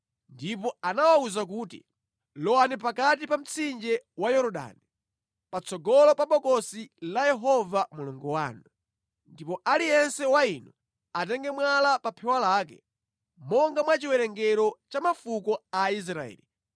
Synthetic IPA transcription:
ndip̬ɔanawauzak̬uːtḭ | lɔwanip̬akat̬ipam̩t͡sʰind͡ʒɛwajɔɾɔɗa̰ni | pat͡sʰɔɡɔlɔpaɓɔkɔsilajɛɦɔvamuluŋɡɔwa̰ːnu | ndipɔʔalijɛnsɛwainɔ | atɛŋɡɛmwalapapʰɛwalaːk̬ɛ̰ | mɔŋɡamwat͡ʃiwɛɾɛŋɡɛɾɔt͡ʃamafukɔais̬ɾaɛ̰ːli

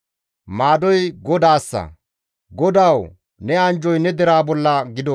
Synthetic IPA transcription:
maːd̪ɔjɡɔd̪aːsːɐ̰ | ɡɔd̪aːw | nɛɐnd͡ʒɔjnɛd̪ɛɾaːbɔlːɐɡɪd̪ɔ

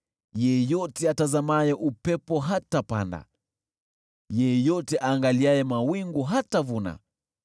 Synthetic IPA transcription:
jɛjɔtɛatazamajɛʔupɛpɔɦatapa̰nda̰ | jɛjɔtɛʔaːŋɡaliajɛmawiŋɡuɦatavuna̰

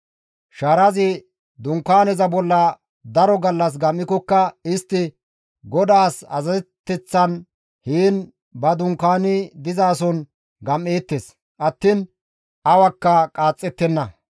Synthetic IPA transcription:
ʃɐɾɐzɪ | d̪ʊŋkːaːnɛzɐbɔlːɐ | d̪ɐɾɔɡɐlːɐs̬ɡɐmːɪkɔkːɐɪst̪ːɪ | ɡɔd̪aːsɐ̰zɐzɛt̪ːɛt͡sːɐn | hiːn | bɐd̪ʊŋkːaːnɪd̪ɪzaːsɔn | ɡɐmːeːt̪ːes | ʔɐt̪ːiːn | ɐwɐkːɐkʼaːt͡sʼːɛt̪ːɛnːɐ

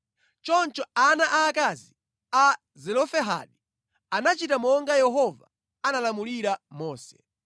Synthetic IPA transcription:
t͡ʃɔnt͡ʃɔanaʔaːkazi | a | zɛlɔfɛɦa̰ɗi | anat͡ʃitamɔŋɡajɛɦɔva | analamuliɾamɔːsɛ

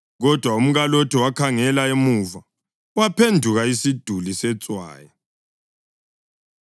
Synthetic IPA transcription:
ɣɔd̥ʱwaum̩ɣalotʰɛwakʰaŋɛlaemuva | wapʰendʱuɣaisid̥ʱulisɛt͡sʼwa̰ːja

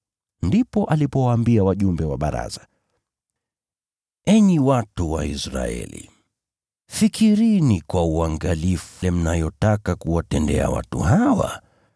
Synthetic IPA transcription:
ndipɔʔalipɔwaːmbiawaʄumbɛwaɓaɾa̰zḁ | ɛɲiwatuwaisɾa̰ɛ̰lḭ | fikiɾinikwauaŋɡaliflɛm̩najɔtakakuwatɛndɛa̰wa̰tṵhawa̰

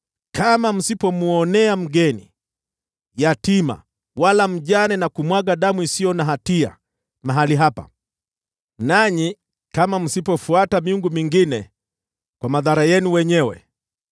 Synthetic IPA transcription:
kamam̩sipɔmuɔnɛam̩ɡɛnḭ | jatima̰ | walam̩ʄanɛnakumwaɠaɗamuisijɔnaɦatia̰ | maɦaliɦapa̰ | naɲi | kamam̩sipɔfuatamiuŋɡumiŋɡinɛ | kwamaðaɾajɛnuwɛɲɛwɛ̰

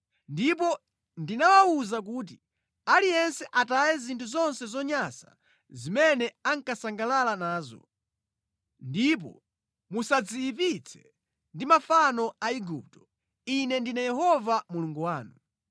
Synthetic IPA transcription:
ndip̬ɔ | ndinawauzak̬uːt̬i | alijɛnsɛʔatajɛzintʰuzɔnsɛzɔɲasa̰ | zimɛnɛaŋkasaŋɡalalanaːzɔ̰ | ndip̬ɔ̰ | musad͡zijip̬it͡sʰɛ̥̰ | ndimafanɔaiɡup̚tɔ̥ | inɛndinajɛɦɔvamuluŋɡuwaːnu

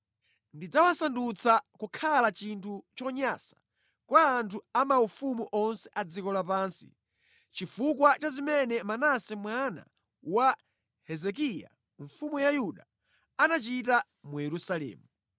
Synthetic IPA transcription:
ndid͡zawasandut͡sʰakukʰalat͡ʃintʰut͡ʃɔɲasḁ | kwaːntʰuamaufumuʔɔnsɛʔad͡zikɔlap̬aːnsḭ | t͡ʃifukwat͡ʃazimɛnɛmanasɛmwana̰ | wa | hɛzɛk̬ija̰ | ɱfumujajuɗa | anat͡ʃita | mujɛɾusalɛ̰ːmu

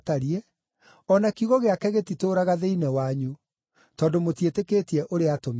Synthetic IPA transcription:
taɾiɛ | ɔnakiuɣɔɣeakɛɣetitoːɾaɣaðeinɛwaɲu | tɔːdomotieteketiɛʔoɾeatom

